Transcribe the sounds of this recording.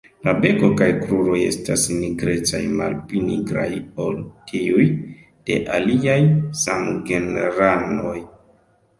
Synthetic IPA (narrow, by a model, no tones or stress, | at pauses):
labe̞ko̞kajkɾuɾo̞je̞̰stasniɡɾe̞t͡sa̰jma̰lpliniɡɾa̰jo̞ltʰiuj | d̥e̞̰ʔaliajsamɡe̞neɾano̞j